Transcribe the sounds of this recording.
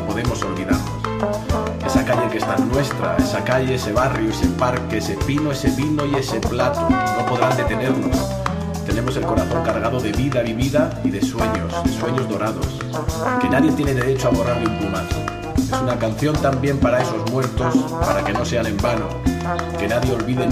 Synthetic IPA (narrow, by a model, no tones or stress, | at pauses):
po̞ðemo̞so̞lβiðaɾnos | e̞sakaʎeŋkest̪anwe̞st̪ɾa̰esakaʎe̞ese̞βarjoesepaɾkeesepinoe̞se̞βinoie̞se̞plat̪ono̞po̞ð̞ɾand̪e̞t̪e̞ne̞ɾno̞̰s | t̪e̞ne̞mo̞se̞lko̞ɾaθo̞ŋkaɾɣ̞aðo̞ðe̞βiðaβiβiðaiðe̞swe̞ɲose̞swe̞ɲo̞zðo̞ɾað̞o̞̰s | ke̞naðje̞t̪jeneðe̞ɾe̞t͡ʃoaβ̞o̞raɾleumplumaθ | esunakan̟θjo̞nt̪ambje̞mpaɾae̞so̞zmwe̞ɾt̪o̞spaɾake̞no̞se̞anẽmbano̰ke̞naðje̞o̞lβiðe